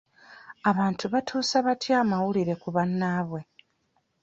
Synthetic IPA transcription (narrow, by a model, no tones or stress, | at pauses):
aβaːntʰuβatʰuːsaβatjaːmawuliɾe̞kuβanːaːβwe̞